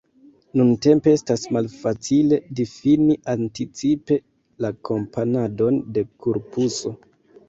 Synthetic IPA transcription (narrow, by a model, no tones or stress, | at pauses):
nunte̞mpe̞estasmalfat͡sile̞difiniʔantit͡sipe̞ | lakʰo̞mpʰanado̞nde̞kuɾpuso̞